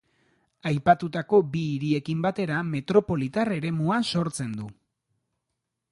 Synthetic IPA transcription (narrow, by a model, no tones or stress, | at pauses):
ajpat̪ut̪ako̞biːɾie̞kimbat̪e̞ɾame̞t̪ɾo̞po̞lit̪are̞ɾe̞muaso̞ɾt͡se̞nd̪u